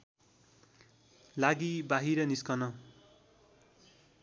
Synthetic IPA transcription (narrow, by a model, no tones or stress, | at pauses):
laɡibaɦiɾʌniskʌnʌ